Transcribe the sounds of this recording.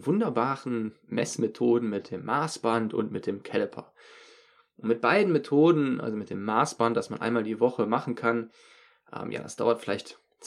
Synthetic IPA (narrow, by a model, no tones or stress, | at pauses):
vʊndɐbaːʁən̩ | mɛ̰smetʰoːdn̩mɪt̚d̥eːmːaːsb̥antʊ̰ntmɪt̚d̥eːmkʰɛlɛpʰɐ̰ | ʔʊntmɪt̚b̥aɪdn̩metʰoːdn̩ʔa̰lzomɪt̚d̥eːmːaːsb̥ant̚d̥asmanʔa̰ɪnmaːldiːvɔχəmaχn̩kʰan | ʔɛ̰ːmja̰ːdasd̥aʊɐtfɪlaɪçt | t͡s